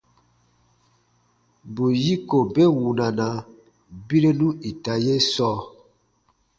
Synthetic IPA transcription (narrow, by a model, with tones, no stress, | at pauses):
bu˨ji˦ko˨be˦wu˨na˨na˨ | bi˦ɾe˦nu˦i˨ta˨je˦sɔː˦